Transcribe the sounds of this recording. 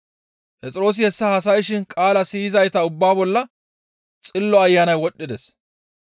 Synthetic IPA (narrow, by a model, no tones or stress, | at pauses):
pʼɛt͡sʼɪɾo̞ːs̬ɪhɛsːɐhɐs̬ɐjʃɪnkʼaːlɐsiɪzɐjt̪ɐʊbːaːbɔlːɐ | t͡sʼɪlːɔɐjːanɐjwɔɗːɪd̪ɛs